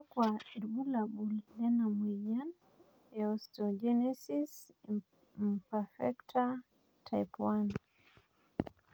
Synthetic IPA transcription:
kwaiɾbulaɓuldɛnamwijan | ɛɔstɔd͡ʒɛnɛsis | mpafɛktʰa | tʰajpwan

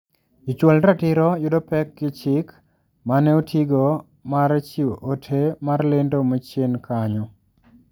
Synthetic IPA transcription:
it͡ʃwɔlɾatɪɾɔjʊdɔpɛkːɪt͡ʃɪk | manɛotʰiɡo | maɾt͡ʃioʔotʰemarlendomɔt͡ʃenkʰaɲɔ

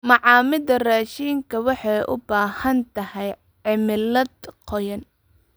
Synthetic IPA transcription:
mɑʕɑːmɪðɐraːʃiːŋkʰɐwɑħɑjʔʊ̰baːhɐnt̪ʰɐhɛj | ʕɪmɪlɐd̪qʰɔjɐn

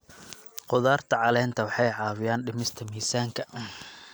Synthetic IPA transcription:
qʊðaːrt̪ʰɐʕɑlɛːnt̪ʰɐwɑħɑjʕɑːwɪjaːnɖɪmɪst̪ʰɐmiːsaːŋkʰɐ

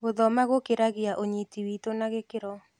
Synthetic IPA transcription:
ɡoðɔmaɣokɪɾaɡɪaʔoɲetiwit̪onaɣɪkɪɾɔ

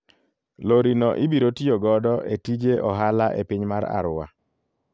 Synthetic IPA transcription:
loɾinɔʔɪbiɾotijoɡɔdɔʔetid͡ʒeʔɔɦalaʔepiɲmaɾa̰ɾʊwa̰

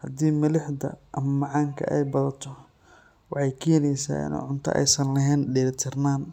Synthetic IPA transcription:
hɐd̪iːmɐlɪħd̪ɐ̰ʔɐmɐmɑʕɑːŋkʰɐ̰ʔɛjbɐðɐt̪ʰɔ | wɑħɑjkʰɛːnɛjsa̰ːʔɪ̰nɔ̰ʕʊnt̪ʰɐ̰ʔɛ̰jsɐnlɛɦɛːnɖɛːɾt̪ʰɪrnaːn

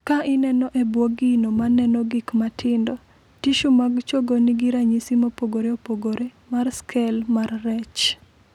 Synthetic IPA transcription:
kaʔɪnɛnɔʔebwoɡinomanɛnɔɡɪkmatʰɪndɔ | tiʃumaɡt͡ʃoɡonɪɡiɾaɲisimopoɡoɾeopoɡoɾe | marskʰɛlmarːɛt͡ʃ

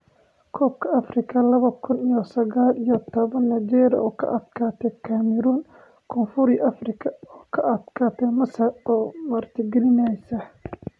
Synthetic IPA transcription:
kʰɔːb̚kʰɐɐfrɪkʰɐlɐβɐkʰʊnijɔsɐɣaːlijɔt̪ʰɔβɐnːɐd͡ʒɛːɾɔ̰ːkʰɐ̰ʔɐd̪kʰaːt̪ʰɛkʰamɛɾuːn | kʰɔnfʊɾjʔɐfrɪkʰɐɔːkʰɐʔɐd̪̥kʰaːt̪ʰɛmɐsɐrɔːmɐrt̪ʰɪɡɛlɪnɛjsɐ

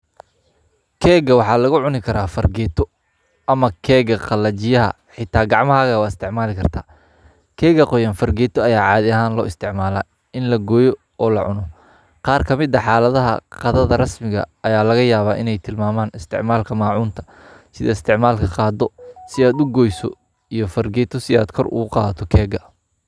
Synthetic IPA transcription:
kʰɛːɡɐwɑħɑːlɐɣʊʕʊnɪkʰɐɾaːfɐrɡɛːt̪ʰɔ | ʔɐmɐkʰɛːɣɐqɑlɐt͡ʃɪjɐɦɐ̰ | ħɪt̪ʰːaːɡɑʕmɐɦaːɣɐwɑːɪst̪ʰɪʕmaːlɪkʰɐrt̪ʰaː | kʰɛːɣɐqɔjɐnfɐrɡɛːt̪ʰɔɐjaːʕɑːðɪɐɦaːnlɔːɪst̪ʰɪʕmaːlaː | ɪnlɐɡɔːjɔ | ɔːlɐ̰ʕʊnɔ | qɑːrkʰɐmɪd̪ɐħaːlɐðɐɦɐ̰qɑðɐðɐrɐsmɪɣɐ̰ɐjaːlɐɣɐjaːβaːʔɪnɛjt̪ʰɪlmaːmaːnɪst̪ʰɪ̰ʕmaːlkʰɐmaːʕuːnt̪ʰɐ̥ | sɪðɐɪst̪ʰɪʕmaːlkʰɐqɑːd̪ɔsɪaːd̪ʊɡɔːjsɔ̰ | ijɞfɐrɡɛːt̪ʰɔsɪa̰ːd̪kʰɔrʊ̰ɣʊqɑ̰ːðɐt̪ʰɔkʰɛːɡɐ

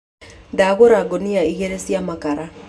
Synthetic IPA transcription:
ndaɣoɾaɡoniaiɣeɾesjamakaɾa

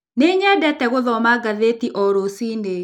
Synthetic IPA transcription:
neɲɛdɛtɛɣoðɔmaɡaðetiʔɔɾosine

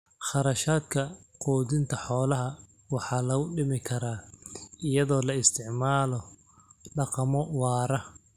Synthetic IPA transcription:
χɑɾɐʃaːd̪kʰɐqɔːdðɪnt̪ʰɐħɔːlɐɦɐ | wɑħɑːlɐɣʊɖɪmɪkʰɐɾaːʔɪjɐðɔːlɐɪst̪ʰɪʕmaːlɔ | ɖɑqɑmɔwɑːɾɐ

